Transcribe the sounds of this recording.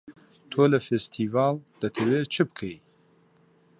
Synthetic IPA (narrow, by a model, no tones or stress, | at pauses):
t̪ʰoːlɐfest̪ʰiːvɑːld̪̥ɐt̪ʰɐweːt͡ʃʰɨb̚kʰej